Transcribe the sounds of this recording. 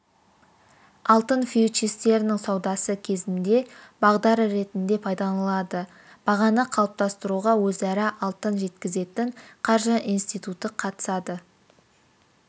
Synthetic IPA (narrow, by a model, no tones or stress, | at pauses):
ɑlˠt̪ənfiut͡ʃist̪e̞ɾɪnɪŋsɑwd̪ɑsəkʲʰe̞zɪnd̪e̞bɑʁd̪ɑɾəɾe̞t̪ɪnd̪e̞pʰɑjd̪ɑnlˠɑd̪ə | b̥ɑʁɑnəqʰɑlˠəp̚t̪ɑst̪əɾuʁɑwɵzæɾɪʔɑlˠt̪ənʒe̞t̪kʲɪze̞t̪ɪɴqʰɑɾʒəʔijnst̪ijt̪ut̪əqʰɑt̪ə̥sɑd̪ə